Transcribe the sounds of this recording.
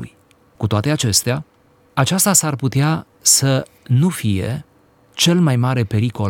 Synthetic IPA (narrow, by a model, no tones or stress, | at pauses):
ṵj | kut̪oat̪e̞at͡ʃe̞st̪ea | at͡ʃast̪asarput̪ea | sə | nufije̞̰ | t͡ʃe̞lmajmaɾe̞pe̞ɾiko̞l